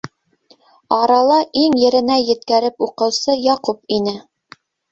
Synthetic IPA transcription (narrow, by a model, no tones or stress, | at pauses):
ɑɾɑlˠɑʔiŋjɘ̆ɾɘ̆næjɘ̆t̪kæɾɘpuqɤ̆wsɤjɑqup̚inɘ